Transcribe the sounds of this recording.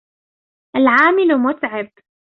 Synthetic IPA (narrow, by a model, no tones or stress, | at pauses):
ʔalʕaːmɪlmʊt̪ʕɪb